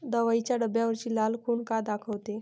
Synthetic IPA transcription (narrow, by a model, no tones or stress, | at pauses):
d̪əʋait͡ɕjaɖəbjaʋəɾt͡ɕiːlalkʰuːɳkad̪akʰəʋt̪e